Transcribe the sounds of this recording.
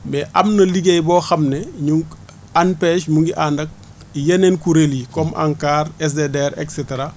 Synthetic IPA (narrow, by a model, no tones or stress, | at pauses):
bɛʔɐ̰mnɐliɡejbɔːxɐmneɲuŋɡ | anpeʃmuŋɡiʔandɐk̚ | ijenenkuɾelikɔmʔa̰ŋkaːɾes̬dedeɾḛkseteɾa